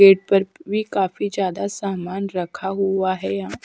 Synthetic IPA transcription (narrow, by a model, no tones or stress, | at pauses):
eʈ̚pəɾbʱiːkafiːd͡ʑjaːd̪asamanɾəkʰaɦuʋaɦɛjã